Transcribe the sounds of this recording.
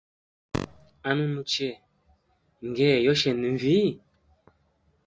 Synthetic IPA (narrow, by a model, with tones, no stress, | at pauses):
a˦nũ˦mu˦t͡ʃɛ˦˨ | ŋ̩˨ɡɛ˦˨jɔ˦ʃɛ˨ni˨ɱ˨vi˦˨